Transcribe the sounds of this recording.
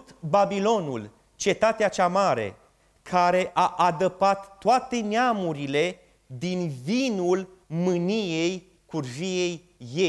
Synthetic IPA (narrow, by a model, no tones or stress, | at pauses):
t̪babilo̞nṵl | t͡ʃe̞t̪at̪eat͡ʃamaɾe̞̰ | kʰaɾe̞ʔaʔad̪əpat̪ːoat̪e̞neamuɾile̞ | d̪invinul | mɨnije̞j | kurʒije̞j | je